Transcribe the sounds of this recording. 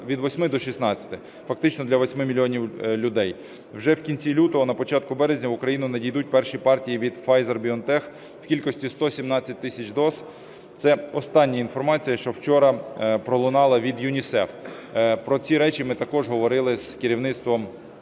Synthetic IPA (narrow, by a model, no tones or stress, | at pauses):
ʋʲid̪ʋɔsʲmɪd̪ɔʃisnɑt͡sʲɐ̥t̪ɪ | fɐk̚t̪ɪt͡ʃnɔd̪lʲɐʋɔsʲmɪmʲilʲiɔnʲiwlʲʊd̪ɛj | wʒɛwkʲinʲt͡sʲilʲut̪ɔɦɔnɐpɔt͡ʃɑt̪̚kʊbɛɾezʲnʲɐʋʊkɾɐjinʊnɐdʲijd̪ut̚ʲpɛrʃipɑrtʲijiʋʲid̪fɑjzɐrbʲiɔnt̪ɛx | w̥kʲilʲkɔsʲtʲist̪ɔsʲimnɑt͡sʲːɐt̚ʲt̪ɪsʲɐt͡ʃd̪ɔz | t̪sɛɔst̪ɑnʲːiinfɔrmɑt͡sʲijɐʃt͡ʃɔwt͡ʃɔɾɐpɾɔlˠʊnɑlˠɐʋʲid̪jʊnʲisɛf | pɾɔt͡sʲiɾɛt͡ʃimɪt̪ɐkɔʒɦɔʋɔɾɪlˠɪz̥kɪɾʲiwnɪt̪st̪ʋɔm